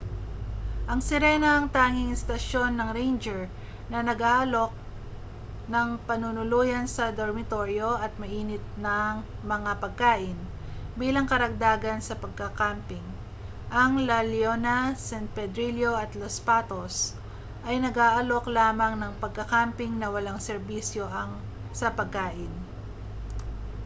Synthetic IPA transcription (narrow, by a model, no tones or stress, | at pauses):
ʔɐŋsɪɾɛnɐɐŋt̪aːŋɪŋɪst̪ɐʃo̞nːɐŋɾejnd͡ʒɛɹ | nɐnɐɡaːʔɐlo̞k̚ | nɐŋpɐnʊnʊluːjɐnsɐd̪oɹmɪt̪o̞ɾjo̞ʔɐt̪̚mɐʔiːnɪt̪̚nɐŋmɐŋapɐɡ̚kaːʔɪn | biːlɐŋkɐɾɐɡ̚d̪aːɡɐnsɐpɐɡ̚kɐkampɪŋ | ʔɐŋlɐljonɐsɛnt̪̚pɛd̪ɾiljo̞ɐt̪lospat̪os | ʔɐjnɐɡaːʔɐlo̞klaːmɐŋnɐŋpɐɡ̚kɐkampɪŋnɐwɐlaŋsɛɾbisjo̞ʔɐŋ | sɐpɐɡ̚kaːʔɪn